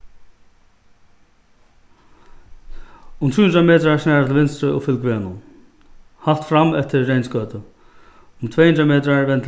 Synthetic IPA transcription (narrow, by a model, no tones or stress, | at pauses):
ʊmt̪ʰuːhnɾameːt̪ɾasnɛːɹat̪ʰɪlvɪnst̪ɾəʊ̰fʏlkveːnʊ | haft̪fɾamɛft̪ɪːejnskœːt̪ə | ʊmt̪ʰv̥eːjhnɾameːt̪ɾavɛnt̪ʰ